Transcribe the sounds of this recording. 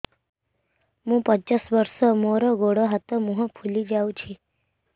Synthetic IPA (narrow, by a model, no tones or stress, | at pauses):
mũpət͡ʃasʋəɾsɔmoɾoɡoɽoɦat̪omũɦə̃pʰulid͡ʒaũt͡ʃʰi